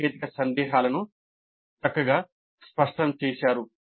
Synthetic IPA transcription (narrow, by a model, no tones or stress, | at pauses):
eːt̪ikɐsɐnd̪ɛːɦaːlɐnu | t̪ɐkːɐɡaː | spɐʂʈɐmt͡ʃeːsaːɾu